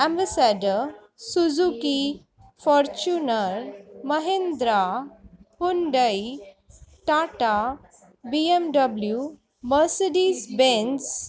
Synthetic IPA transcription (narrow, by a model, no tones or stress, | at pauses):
ɛ̃mbasaɖə | sud͡zuki | fɔɾt͡ɕunəɾməɦend̪ɾa | puɳɖəji | ʈaʈa | biemɖəblju | məɾseɖiːsbẽns